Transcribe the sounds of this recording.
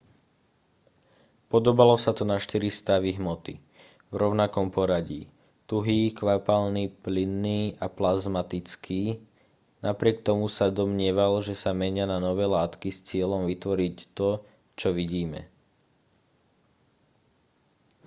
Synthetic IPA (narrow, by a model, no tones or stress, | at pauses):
pɔd̪ɔbalɔsat̪ɔnaʃt̪iɾist̪aʋiɦmɔt̪i | vɾɔʊnakɔmpɔɾaɟḭː | t̪uɦiːkʋapalniːplinːiːaplazmat̪it͡skʰiː | napɾɪɛkt̪ɔmusad̪ɔmɲɪɛʋalʒɛsamɛɲɪananɔʋɛːlaːt̪kist͡sɪɛʎɔmʋit̪ʋɔɾict̪ɔ | t͡ʃɔʋiɟiːmɛ̰